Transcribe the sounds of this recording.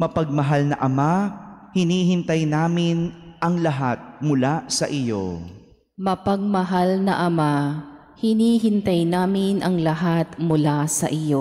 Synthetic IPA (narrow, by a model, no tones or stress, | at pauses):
mɐpɐɡ̚mɐɦalnɐʔɐmahɪniːhɪnt̪ɐjnaːmɪnʔɐŋlɐɦat̪̚mʊlasɐʔɪjo̰ | mɐpɐɡ̚mɐɦalnɐʔɐma | hɪniːɦɪnt̪ɐjnaːmɪnʔɐŋlɐɦat̪mʊlasɐ̰ʔɪjo